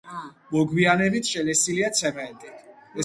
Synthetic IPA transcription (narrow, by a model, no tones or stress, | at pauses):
mɔɡwianɛbit̪ʰʃɛlɛsiliat̪sʰɛmɛnt̪ʼiɛ